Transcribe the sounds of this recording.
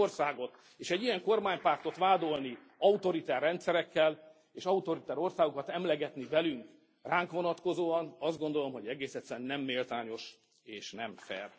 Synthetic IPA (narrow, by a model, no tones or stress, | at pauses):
orsaːɡo̞t̪ | eːʃɛɟːijɛŋko̞rmaːɲpart̪o̞t̪ʋaːd̪o̞lni | ɒut̪o̞ɾit̪ɛrːɛnt̪sɛɾɛkːɛl | eːʃɒut̪o̞ɾit̪ɛɾo̞rsaːɡokɒt̪ɛmlɛɡɛt̪nivɛlyŋk | raːŋkʋo̞nɒt̪ko̞zoːɒnɒzd̪ɡond̪o̞lo̞mɦo̞ɟɛɡeːsɛt̪sɛnːɛmːeːlt̪aːɲo̞ʃ | eːʃnɛmfɛ̰r